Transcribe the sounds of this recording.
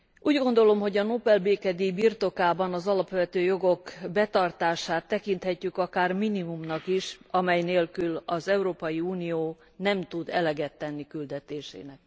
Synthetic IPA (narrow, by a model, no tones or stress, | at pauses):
ʔuːɟɡo̞nd̪o̞lo̞mɦo̞ɟɒnopɛlbeːkɛd̪ibirt̪o̞kaːbɒnɒzɒlɒpʋøvɛt̪øːjo̞ɡo̞kbɛt̪ɒrt̪aːʃaːt̪ːɛkint̪hɛcːykɒkaːrminimumnɒkiʃɒmɛjneːlkylɒzɛuɾoːpɒjiuːnijoː | nɛmt̪ud̪ɛ̰lɛɡɛt̪ːɛnːikyld̪ɛt̪eːʃḛːnɛk